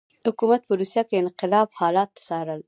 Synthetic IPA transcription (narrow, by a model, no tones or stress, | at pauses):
hʊkumat̪̚pəɾusjakeɪnqɪlɑbhɑlɑt̪ːḁsɑɾəl